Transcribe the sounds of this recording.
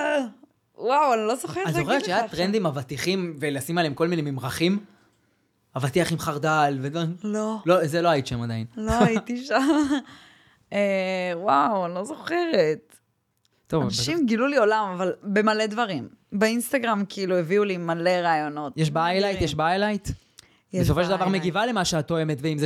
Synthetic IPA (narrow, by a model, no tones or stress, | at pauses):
wawanilo̞zoχeʁaoʁeʁtt͡ʃʃaajat̪ʁend̪imavat̪iχimvelasimaleemko̞lminemimʁaχim | avat̪iaχimχaʁd̪alveololozeloajit̪iʃamad̪ajinloit̪iʃam | ewawlo̞zo̞χe̞ʁet̪ | tovaaʃimɡilulio̞lamavalbemale̞d̪vaʁim | beinst̪aɡʁamkiilueviulimale̞ʁaːjo̞no̞t̪jeʃbaajlajt̪jeʃbaajlajt̪ | jɛeso̞fo̞ʃeld̪avaʁmeɡivalemaʃeat̪oemet̪veimze